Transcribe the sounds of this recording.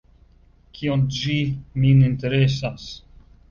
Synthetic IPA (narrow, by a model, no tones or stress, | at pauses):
kʰiond͡ʒiminint̪eɾesas